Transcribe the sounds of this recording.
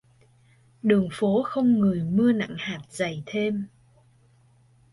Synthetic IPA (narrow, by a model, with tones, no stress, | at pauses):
ɗɨ˨˩əŋfo˨˦xə˧wŋ͡mŋɨ˨˩əjmɨ˧əna̰˧˨ŋhaː˨˩t̚z̥a˨˩jt̪ʰe˧m